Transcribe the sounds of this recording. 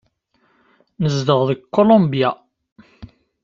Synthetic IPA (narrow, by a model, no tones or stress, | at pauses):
nəzd̪əʁðəɡkʰːolõmbja